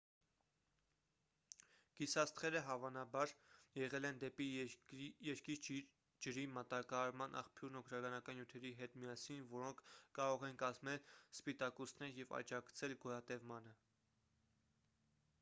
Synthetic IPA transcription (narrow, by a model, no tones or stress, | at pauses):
ɡ̥isɑst̪ʰχɛɾəɦɑvɑnɑbɑɾjɛʁɛlɛnd̪ɛpi | jɛɾkiɾ | d͡ʒəɾimɑt̪ɑkɑːɾmɑnʔɑ̰χpʰjuɾnɔkʰɾɑɡɑnɑkɑnjut̪ʰɛɾiɦɛt̪mijɑsinvɔɾɔŋkʰkːɑɾɔʁɛnkɑzmɛlspit̪ɑkɔsnɛɾjɛvɑ̰d͡ʒɑkt͡sʰɛlɡɔɾɑt̪ɛvmɑnə